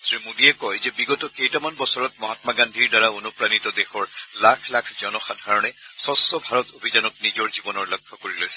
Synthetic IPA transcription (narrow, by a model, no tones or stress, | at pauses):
sɹimudijɛkɔjzɛbiɡɔtɔkejtamanbɔsɔɹɔt̚mɔɦatmaɡandʱiɹdaɹaonupɹanitɔdexɔɹlakʰlakʰzɔnɔxadʱaɹɔnɛsɔsːɔbʱaɹɔtobʱizanɔk̚nizɔɹzibɔnɔɹlɔkʰːɔkoɹilojsɛ̥